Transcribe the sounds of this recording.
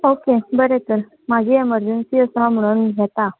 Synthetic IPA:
okebəɾet̪əɾ | mad͡ʑʱiːeməɾd͡ʑənsiːəsaməɭ̃unɦɛt̪a

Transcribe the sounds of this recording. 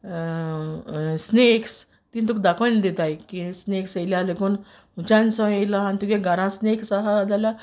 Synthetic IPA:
sneks | t̪int̪ukd̪akənd̪et̪ajkisneksəjljalekun | ut͡ɕãnsə̃ejlaanit̪ukẽɡʱaɾãsneksaɦad̪ala

